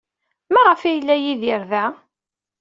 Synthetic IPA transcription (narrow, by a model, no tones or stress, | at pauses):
mæʁəfæjəlːæjiðiɾðæ